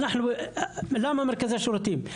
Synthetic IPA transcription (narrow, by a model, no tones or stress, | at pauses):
nəħnu | læmæmɑɾˤkæzæʃuɾt̪im